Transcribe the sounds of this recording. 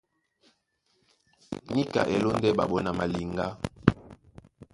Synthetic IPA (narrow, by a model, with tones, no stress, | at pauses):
ni˦ka̰˨ʔe˨lo˦ndɛ˦ba̰˨ɓɔ˦na˨ma˨li˨ŋɡa˦